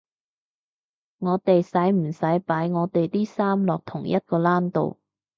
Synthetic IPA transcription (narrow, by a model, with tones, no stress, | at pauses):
ŋɔː˨˧t̪e˨jsɐ˨˥jm̩˨˩sɐ˨˥jpaː˨˥jŋɔː˨˧t̪e˨jt̪iː˥saː˥mlɔː˨k̚t̪ʰʊ˨˩ŋjɐ˥t̚kɔː˧laː˥nt̪o̰˨w